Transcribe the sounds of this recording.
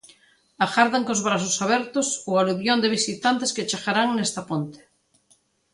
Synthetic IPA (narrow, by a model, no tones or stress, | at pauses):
axaɾðaŋkozβɾas̬osaβeɾt̪osoaluβjond̪eβ̞isit̪ant̪esket͡ʃexaɾaŋnest̪apont̪e̥